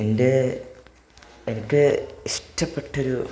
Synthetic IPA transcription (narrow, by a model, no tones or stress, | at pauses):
ende̞ | enikʲːɨiʂʈɐpːe̞ʈːo̞ɾu